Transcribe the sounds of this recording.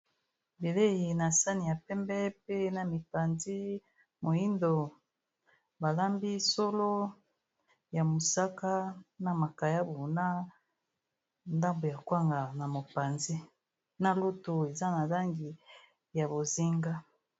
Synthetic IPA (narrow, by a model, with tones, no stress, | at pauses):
be˨le˦ji˨na˨sa˦ni˨ja˨pɛ˦mbɛ˦pe˦na˨mi˨pa˨nzi˦ | mo˨i˦ndo˨ | ba˨la˦mbi˦so˦lo˦ | ja˨mo˨sa˦ka˦na˨ma˨ka˨ja˦bo˨na˦ | nda˦mbo˨ja˨kwa˦ŋɡa˨na˨mo˨pa˨nzi˦ | na˨lu˦tu˨e˨za˦na˨la˦ŋɡi˨ | ja˨bo˨zi˦ŋɡa˦